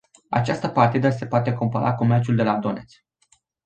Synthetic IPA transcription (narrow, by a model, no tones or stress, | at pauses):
a̰t͡ʃast̪əpart̪id̪əse̞poat̪e̞kompəɾʔako̞me̞rt͡ʃuld̪e̞lad̪o̞ne̞t̪s